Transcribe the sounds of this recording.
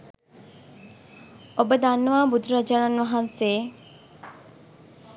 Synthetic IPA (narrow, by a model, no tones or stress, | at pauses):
obəd̪anːuʋaːbud̪ʱɾad͡ʒaːnanʋɐɦanseː